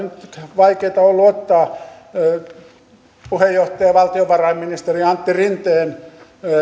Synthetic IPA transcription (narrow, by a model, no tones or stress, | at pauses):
nyt̪ʋɑikeit̪ɑolːuot̪ːɑː | puhejːoht̪ɑjɑʋɑlt̪ioʋɑrɑimminist̪eriɑnt̪ːirint̪eːn